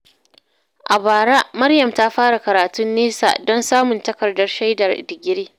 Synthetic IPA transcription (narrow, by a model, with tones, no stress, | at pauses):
ʔa˨baː˨ɽa˦ʔmɐ˦rjɐ˨mta˦ɸaː˦ɽa˨kɐ˨ɾaː˨tʊ˦nːeː˦sa̰˨dɔ˦nsaː˦mʊ˨ntɐ˦kɐ˨rdɐ˦rʃa˦jdɐ˨rdɪ˨ɡʲɪ˦ɽeː˦